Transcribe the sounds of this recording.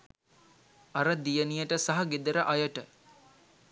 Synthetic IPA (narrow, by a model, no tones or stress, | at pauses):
aɾəd̪ijənijəʈəsaɦɐɡed̪əɾəʔajəʈə